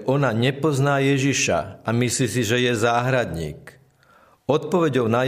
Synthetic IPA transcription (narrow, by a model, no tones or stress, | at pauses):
ʔɔnaɲɛpɔznaːjɛʒiʃa̰amisliːsiʒɛjɛzaːɦɾad̪ɲḭːk | ɔt̪̚pɔʋɛɟɔʊna